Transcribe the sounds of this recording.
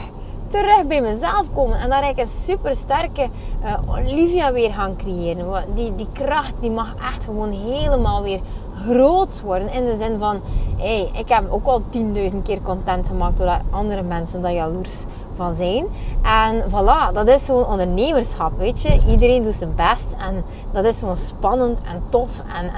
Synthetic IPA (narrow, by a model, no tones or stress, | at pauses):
təɾɵxt̚bɛjməzɛlˠfkoːmənɛndɑɾɛɪkənsypərstɛrkəʔo̰livjaʋɪːrɣaːnkrejeːɾəndidikrɑxt̚dimɑxʔɛxtxəʋoːnɦeːləmaːlˠʋɪːr | ɣroːtsʋɔrdənɪndəzɪnvɑnejʔɪkɦɛpoːkɑlˠtindœɥzənt̚kɪːrkɔntɛntxəmaːk̚d̥odɑtɑndəɾəmɛnsəndɑjɑlurs | vɑnzɛjnʔɛnvɑnlɑːdɑtɪsxəʋoːnɔndərneːmərsxɑpʋeːtjəʔidəɾeːndutsənbɛstɛn | d̥ɑtɪsxəʋoːnspɑnəntɛ̰ntɔf | ɛn